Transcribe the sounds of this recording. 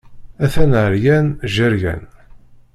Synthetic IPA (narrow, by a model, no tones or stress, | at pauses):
æθænʕəɾjænʒəɾʝæ̰n